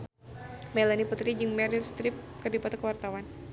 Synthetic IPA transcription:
mɛlaniput̪ɾid͡ʒɨŋmɛɾilst̪ɾɪp̚kərdipat̪ɔkəwart̪awan

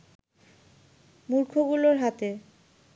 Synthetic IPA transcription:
muɾkʰoɡuloɾɦat̪e

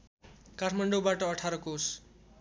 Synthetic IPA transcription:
kaʈʰmʌɳɖobaʈʌːʈʰaɾʌkos

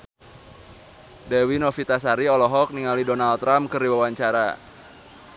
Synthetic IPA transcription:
dɛwinɔfit̪asaɾiɔlɔɦɔk̚niŋalidɔnalt̪ːɾamkɨrdiwawaɲt͡ʃaɾa̰

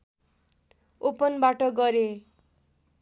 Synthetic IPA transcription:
opʌnbaʈʌɡʌɾe

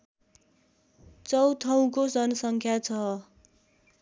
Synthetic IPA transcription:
t͡sʌwt̪ʰʌw̃kod͡zʌnʌsʌŋkʰjat͡sʰʌ

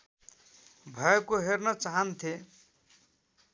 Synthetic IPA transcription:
bʱʌekoɦernʌt͡saɦʌnt̪ʰe

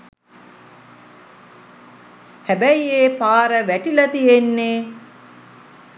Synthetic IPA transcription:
hæbæjeːpaːɾəʋæʈilɐt̪ijenːeː

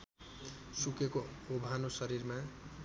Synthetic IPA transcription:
sukekoobʱanosʌɾiɾma

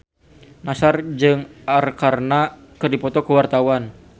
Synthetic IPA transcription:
nasard͡ʒɨŋarkarna | kɨrdipɔt̪ɔkəwart̪awan

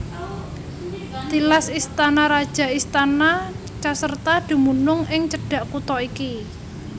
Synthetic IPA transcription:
t̪ilasist̪anaɾad̥ʒ̥a̤ist̪ana | t͡ʃasərt̪ad̪̥i̤munʊŋɪŋt͡ʃəɖ̥ä̤ʔkut̪ɔiki

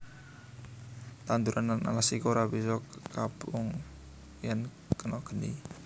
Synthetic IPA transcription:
t̪and̪uɾʔanana̰lasikoɾabisɔkapʊŋ | jan | kənɔɡ̥ənḭ

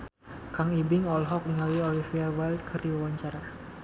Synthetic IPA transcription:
kaŋibɪŋɔlɦɔk̚niŋaliɔlifiawald̪̚kʰɨrdiwawaɲt͡ʃaɾa

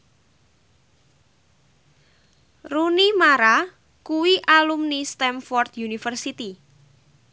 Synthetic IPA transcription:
runimaɾa | kuwiʔalumnist̪ɛmfɔrt̪junifərsit̪i

